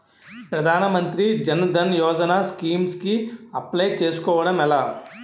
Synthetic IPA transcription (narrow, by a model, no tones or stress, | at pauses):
pɾɐd̪ʱaːnɐmɐnt̪ɾid͡ʒɐnɐd̪ʱɐnjɔːd͡ʒɐnaːskiːmskiɐpleːt͡ʃeːsu̥kɔːʋɐɽɐmɛlaː